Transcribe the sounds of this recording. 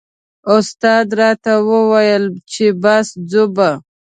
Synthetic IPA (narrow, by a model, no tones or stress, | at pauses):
ʊst̪ɑd̪ɾɑt̪awəwajəlt͡ʃebasd͡zoba